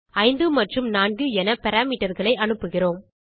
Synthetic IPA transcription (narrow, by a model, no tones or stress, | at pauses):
ɐɪnd̪ɯmɐʈrɯmnaːnɡɯɛnɐpɛɾaːmiːʈːɐɾɣɐɭɐɪʔɐnɯpːɯɣɪroːm